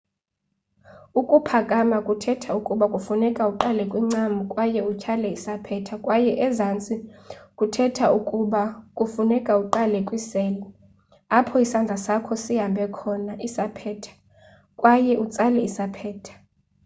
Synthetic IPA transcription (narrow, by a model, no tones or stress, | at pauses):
ukʼupʰakʼamakʼutʰɛtʰaukʼuɓakʼufunɛkʼauǃalɛkʼwiŋ͡ǀamukʼwajɛucʰalɛisapʰɛtʰakʼwajɛʔɛzant͡sʼikʼutʰɛtʰaukʼuɓakʼufunɛkʼauǃalɛkʼwisɛlɛ | apʰɔisand͡ɮʱasakʰɔsiɦambʱɛkʰɔnaʔisapʰɛːtʰḁ | kʼwajɛʔut͡sʼalɛisapʰɛːtʰḁ